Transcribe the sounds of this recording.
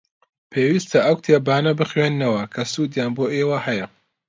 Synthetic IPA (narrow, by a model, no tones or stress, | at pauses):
pʰeːwiːst̪ʰɐʔɐwt̪ʰeːbaːnɐbɨχɥeːnːɐwɐkʰɐsuːd̪jaːnboːʔewɐhɐjɐ